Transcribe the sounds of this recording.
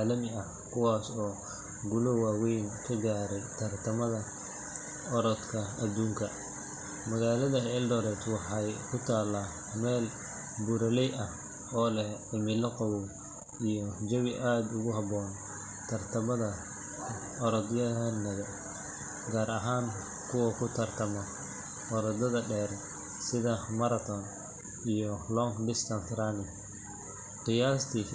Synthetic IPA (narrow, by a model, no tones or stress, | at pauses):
aːlɐmɪɐh | kʰʊwɑːsɔː | ɡʊlɔwaːwɛjnkʰɐɡaːɾɛjt̪ʰɐrt̪ʰɐmɐðɐ | ɔɾɔd̪kʰɐɐd̪uːŋkʰɐ | mɐɣaːlɐðɐhɛldɔɾɛt̪wɑħɑjkʰʊt̪ʰaːlaː | mɛːl | bʊɾɐlɛjʔɐh | ɔːlɛhʕɪmɪlɐqɑwuw | ijɔd͡ʒɐβɪʔaːd̪ʊɣʊɦɑβɔːn | t̪ʰɐrt̪ʰɐmɐðɐ | ɔɾɔd̪jɐɐnːɐβɛ | ɡaːɾʔɐɦaːn | kʰʊwɐkʰʊt̪ʰɐrt̪ʰɐmɔ | ɔɾɐd̪ɐðɐɖɛːr | sɪðɐmɐɾɐt̪ʰɔn | ijɔlɔŋɖɪst̪ʰɐnt̪ɾanɪ | qɪjaːst̪ʰi